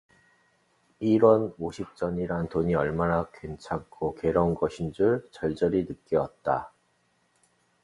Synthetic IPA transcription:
iɾʌnoɕʰip̚t͡ɕ͈ʌɲiɾantoɲiʌɭmanakwent͡ɕʰak͈ʰoke̞ɾʌnɡʌɕʰind͡ʑuɭt͡ɕʌɭd͡ʑ͈ʌɾinɯkk͈jʌʌt̚t͈a

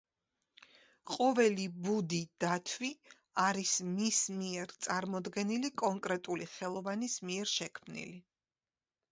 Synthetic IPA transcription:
qʼɔvɛlibud̪id̪̥at̪ʰwi | aɾismismiɛɾt̪sʼaɾmɔd̪ɡɛnilikʼɔŋkʼɾɛt̪ʼuliχɛlˠɔvanismiɛɾʃɛkʰmnḭli

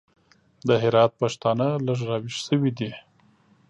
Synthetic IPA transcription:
d̪əɦɪɾɑt̪̚paʂt̪ɑnələʐɾɑwiʃsəwid̪i

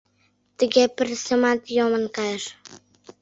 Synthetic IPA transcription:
t̪ə̆ɣepərsə̆mɑt̪jomə̆nkɑjəʃ

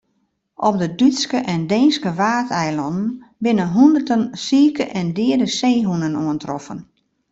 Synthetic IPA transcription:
ʔɔp̚dədytskəʔɛndeːnskəʋaːtʰɛjlɔndn̩ | bɪnənɦundərtənsiːkəʔɛndɪədəseːɦunənoəntrɔfən

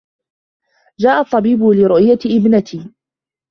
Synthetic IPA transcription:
d͡ʒaːʔɑt̪ˤːɑbiːbʊlɪɾʊʔjaʔɪbnat̪ʰiː

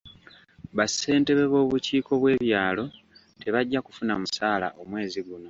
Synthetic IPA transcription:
βase̞ːnte̞βe̞βo̞ːβuciːko̞βwe̞ːβjaːlo̞ | te̞βaɟːaku̥funamusaːla̰ʔo̞mwe̞ːziɡuno̞

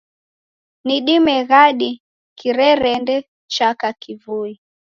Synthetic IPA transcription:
niɗimɛɣaɗi | kiɾɛɾɛndɛ | t͡ʃakakivui

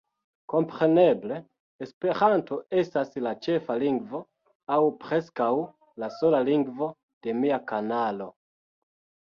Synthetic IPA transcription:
ko̞mpɾe̞ne̞ble̞ː | spe̞ɾanto̞e̞staslat͡ʃe̞faliŋɡvo̞ | awpɾe̞skaw | laso̞laliŋɡvo̞ | d̥e̞miakanalo̞

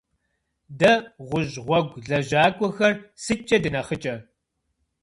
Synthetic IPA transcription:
dɐʁʷʊʑʁʷɔɡʷɮɐʒaːkʷʼɔxɐrsɨt͡ʃʼɐdɨnɐχət͡ʃʼɐ

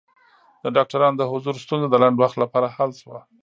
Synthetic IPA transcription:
d̪əɖɑk̚ʈaɾɑnod̪əhʊzuɾst̪unzod̪əlaɳɖwaxt̪lapɑɾahalʃwa

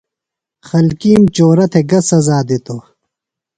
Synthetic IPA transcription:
xɐlkiːmt͡ɕoːɾɐt̪ʰeɡɐsɐzaːd̪it̪o

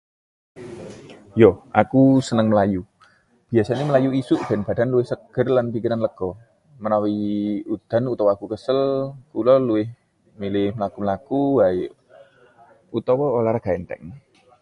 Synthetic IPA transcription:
jɔʔakusənəŋməlaju | b̥iasaniməlajuisʊʔd̪̥ɛnb̥a̤d̪a̤nluwɪhsəɡ̥ərlanpikiɾanləɡ̥ɔ | mənawiud̪̥a̤nut̪ɔwɔakukəsəlkulɔluwɪh | milɪhməlakumlakubaɪʔ | ut̪ɔwɔolaɾaɡ̥aɛnt̪ɛ̰ŋ

